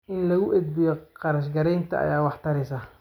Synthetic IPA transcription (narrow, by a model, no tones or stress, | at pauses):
ʔɪnlɐɣʊʔɛd̪̚bɪjɔqɑɾɐʃɡɐɾɛjnt̪ʰɐ̰ʔɐ̰jaːwɑħt̪ʰɐɾɛsɐ